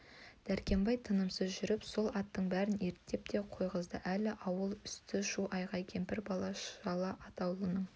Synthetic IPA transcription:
d̪̥æɾkʲe̞mbɑjt̪ʰənəmsəzʒʏɾɪpso̞lˠɑt̪ːəɴbæɾɪne̞ɾt̪ːe̞p̚t̪ʰe̞qʰo̞jʁəzd̪əʔælɪʔɑwəlˠʏst̪ɪʃuʔɑjʁɑjkʲʰe̞mpɪɾbɑlˠɑʃɑlˠɑʔɑt̪ɑwlˠənəɴ

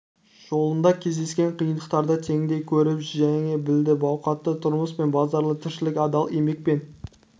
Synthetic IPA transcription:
ʒ̥o̞lˠənd̪ɑkʲʰe̞zd̪e̞skʲe̞ɴqʰijənd̪əqt̪ɑɾd̪ɑt̪ʰe̞ŋd̪ejkʲʰɵɾɪpʒæŋebɪld̪ɪbɑwqɑt̪ːət̪ʰʊɾməsme̞nbɑzɑɾlˠət̪ʰɪɾʃɪlɪkʲɑd̪ɑlˠemek̚ʲpe̞n

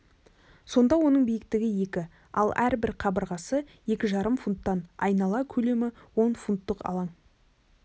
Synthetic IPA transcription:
so̞nd̪ɑwo̞nəɴbijɪk̚t̪ɪɡʲɪje̞kʲɪ | ɑlˠæɾbɪɾqʰɑbəɾʁɑsəje̞kʲɪʒɑɾəmfunt̪ːɑnɑ̰jnɑlˠɑkʲʰɵle̞mɪwo̞nfunt̪ːəqɑ̰lˠɑɴ

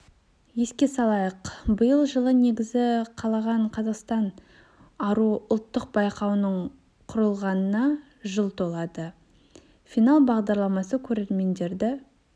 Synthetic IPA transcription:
je̞skʲe̞sɑlˠɑjəqbəjəlˠʒəlˠəne̞ɡʲɪzɪqʰɑlˠɑʁɑɴqʰɑzɑqst̪ɑn | ɑɾuʊlˠt̪ːəq̚bɑjqɑwnəɴ | qʰʊɾəlˠʁɑnənɑ | ʒəlˠt̪ʰo̞lˠɑd̪ə | fijnalˠbɑʁd̪ɑɾlˠɑmɑsəkʲʰɵɾe̞ɾme̞nd̪e̞ɾd̪ɪ

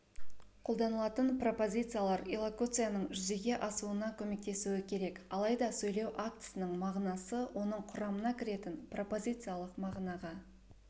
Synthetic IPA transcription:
qʰo̞lˠd̪ɑnəlˠɑt̪ənpro̞po̞zʲit̪sɨjalˠɑɾelˠokut̪sɨjanəɴʒʏze̞ɡʲe̞ʔɑsuənɑkʲʰɵme̞k̚t̪e̞suwɪkʲʰe̞ɾe̞kɑlˠɑjd̪ɑsɵjle̞wʔak̚t̪ɨ̥sɪnəɴmɑʁnɑsəwʔo̞nəɴqʰʊɾɑmənɑkʲʰɪɾe̞t̪ɪnpro̞po̞zʲit̪sɨjalˠəqmɑʁnɑʁɑ

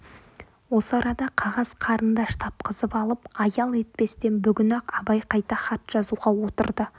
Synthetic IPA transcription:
wo̞səɑɾɑd̪ɑqʰɑʁɑzqʰɑɾənd̪ɑʃt̪ʰɑp̚qʰəzəpɑlˠəpɑjɑlˠe̞t̪̚pe̞st̪e̞nbʏɡʲɪnɑqɑbɑjqʰɑjt̪ɑχɑt̪ʒ̥ɑzuʁɑwo̞t̪əɾd̪ə

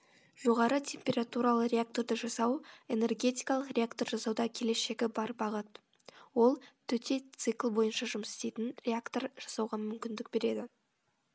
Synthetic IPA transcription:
ʒ̥o̞ʁɑɾət̪ʲʰe̞mpʲe̞ɾat̪uɾalˠəɾeak̚t̪o̞ɾd̪əʒɑsɑwe̞ne̞rɡʲe̞t̪ijkɑlˠəqrʲe̞akt̪o̞rʒɑsɑwd̪ɑkʲʰe̞le̞ʃe̞ɡʲɪbɑɾbɑʁət̪ | wo̞lˠt̪ʰɵt̪e̞t̪sɨklˠbo̞jənʃɑʒʊmsɪ̥st̪e̞jt̪ɪnɾe̞akt̪o̞ɾʒ̥ɑsɑwʁɑmʏmkʲɪnd̪ɪk̚be̞ɾe̞d̪ɪ

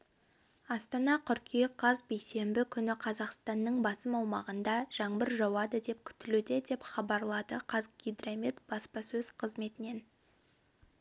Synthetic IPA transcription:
ɑst̪ɑnɑqʰʏɾkʲʰijqʰɑzbejse̞mbɪkʲʰʏnɪqʰɑzɑqst̪ɑnːəɴbɑsəmɑwmɑʁənd̪ɑʒ̥ɑɴbəɾʒɑwɑd̪əd̪e̞p̚kʲʰʏ̥t̪ɪlud̪ɪd̪e̞pχɑbɑɾlˠɑd̪əqʰɑzɡʲid̪ramit̪bɑspɑsɵz̥qʰəzme̞t̪ɪne̞n

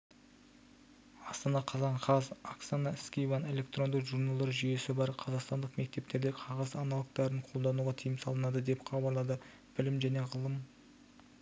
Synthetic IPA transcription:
ɑst̪ɑnɑqʰɑzɑɴqʰɑzaksanɑskʲijvɑne̞lʲe̞k̚t̪ro̞nd̪əʒuɾnɑlˠd̪ɑɾʒʏje̞sɪbɑɾqʰɑzɑqst̪ɑnd̪əqme̞k̚t̪e̞p̚t̪e̞ɾd̪eqʰɑʁɑzɑnɑlˠəq̚t̪ɑɾəɴqʰo̞lˠd̪ɑnuʁɑt̪ʰijɪmsɑlˠənɑd̪əd̪e̞pχʰɑbɑɾlˠɑd̪ə | b̥ɪlɪmʒæne̞ʁəlˠəm

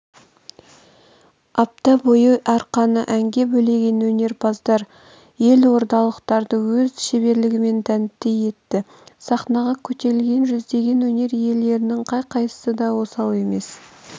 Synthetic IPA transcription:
ɑp̚t̪ɑbojəʔɑɾqɑnəʔæŋɡʲe̞bɵle̞ɡʲe̞nwɵne̞ɾbɑzd̪ɑɾ | je̞lwo̞ɾt̪ɑlˠəqt̪ɑɾd̪əwɵzʃe̞βe̞ɾlɪɡʲɪme̞nt̪ʰænɪt̪ːeje̞t̪ːɪ | sɑχnɑʁɑkʲʰɵt̪e̞ɾlɡʲe̞nʒʏzd̪e̞ɡʲe̞nwɵne̞ɾje̞lːe̞ɾɪnɪŋqʰɑjqʰɑj̪ə̥səd̪ɑwo̞sɑlˠe̞me̞s

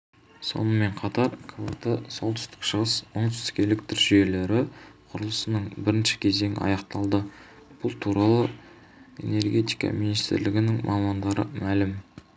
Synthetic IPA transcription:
so̞̰nəme̞ɴqʰɑt̪ɑɾkʰvo̰t̪əsolˠt̪ʰʏ̥st̪ɪ̥kʃəʁəswoɴt̪ʰʏ̥st̪ɪ̥kʲe̞lɪk̚t̪ʰɪɾʒ̥ʏje̞le̞ɾɪqʰʊɾəlˠəsənəɴbɪɾɪnʃɪ̥kʲʰe̞ze̞ŋɪ̰ɑ̰jɑqt̪ɑlˠd̪ə | b̥ʊlˠt̪ʰuɾɑlˠə | e̞̰ne̞rɡʲe̞t̪ijkɑ̰minijst̪ɪ̰ɾlɪɡʲɪnɪŋmʔɑmɑnd̪ɑɾə̰mælɪm

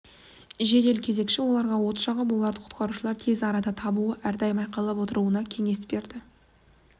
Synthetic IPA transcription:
ʒe̞d̪e̞lkʲʰeze̞kʃɪwo̞lˠɑɾʁɑwo̞t̪ə̥ʃɑʁəbolˠɑɾd̪əqʰʊ̥t̪̚qɑɾuʃəlˠɑɾt̪ʰe̞zɑɾɑd̪ɑt̪ʰɑbuəʔæɾd̪ɑjmɑjqɑllˠɑpwo̞t̪əɾuənɑkʲʰe̞ŋe̞sbe̞ɾd̪ɪ

